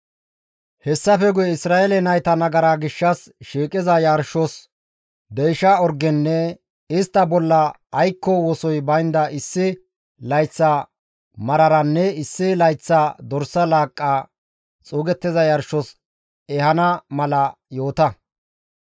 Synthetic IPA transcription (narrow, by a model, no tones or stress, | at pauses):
hɛsːɐfɛɡʊjɛɪsɾaːʔelɛnɐjt̪ɐnɐɡɐɾaɡɪʃːɐs | ʃiːkʼɪzɐjɐɾʃɔs | d̪ɛjɪʃaɔɾɡɛnːɛ | ɪst̪ːɐbɔlːɐː | jkːɔwɔsɔjbɐjnd̪ɐʔɪsːɪ | lɐjt͡sːaː | mɐɾɐɾɐnːɛɪsːɪlɐjt͡sːaːd̪ɔɾsːɐlaːkʼːaː | t͡sʼuːɡɛt̪ːɪzɐjɐɾʃɔs | ɛhɐnɐmɐlɐjo̞ːt̪ɐ